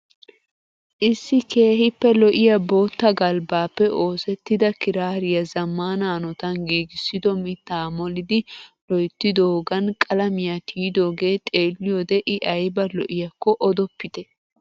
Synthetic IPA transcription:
ʔɪsːɪke̞ːɦɪpːɛlɔʔɪjɐbo̞ːt̪ːɐɡɐlbaːpːɛʔo̞ːsɛt̪ːɪd̪ɐkɪɾaːɾɪjɐzɐmːaːnanɔt̪ɐnɡiːɡɪsːɪd̪ɔmɪt̪ːaːmɔlɪd̪ɪlɔjt̪ːɪd̪oːɡɐnkʼɐlɐmɪjat̪ʰiːd̪o̞ːɡe̞ːt̪ʼe̞ːlːɪjod̪ɛʔɪʔɐjbɐlɔ̰ʔɪjɐkːɔʔɔd̪ɔpːɪt̪ɛ

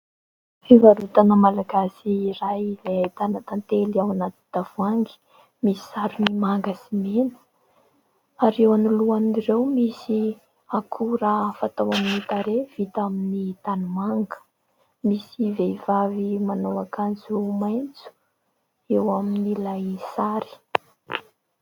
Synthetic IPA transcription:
fivaɾut̪anəmalaɡasiːɾajleajt̪anat̪ant̪eliawanat̪i̥d̪̥av̥uaŋɡi̥ | misi̥saɾunimaŋɡasimenə̥ | aɾewanuluanirewmisi | akʰuɾafat̪awaminit̪aɾev̥it̪aminit̪anumaŋɡə̥ | misiveivavimanowakanzumajnt͡su̥ | ewaminilajsaɾi̥

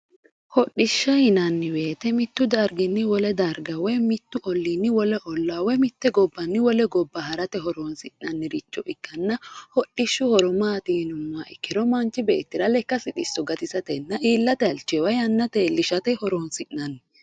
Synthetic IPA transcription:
hɔɗɪʃːɐhɪnɐnːɪwe̞ːt̪ɛmɪt̪ːʊd̪ɐɾɡɪnːɪwɔlɛd̪ɐɾɡɐwɛmɪt̪ːʊʔɔlːinːɪwɔlɛʔɔlːawɛmɪt̪ːɛɡɔbːɐnːɪwɔlɛɡɔbːɐɦɐɾɐt̪ɛɦɔɾoːnsɪʔnɐnːɪɾɪt͡ʃːɔʔɪkːɐnːɐhɔɗːɪʃːʊhɔɾɔmaːt̪iːnʊmːaːʔɪkːɪɾɔmɐnt͡ʃːɪbḛːt̪ːɪɾɐlɛkːɐsɪᶑ̪ɪsːɔɡɐt̪ɪsɐt̪ɛnːɐʔiːlːɐt̪ɛɐlt͡ʃːɛwɐjɐnːɐt̪eːlːɪʃɐt̪ɛhɔɾoːnsɪʔnɐnːɪ

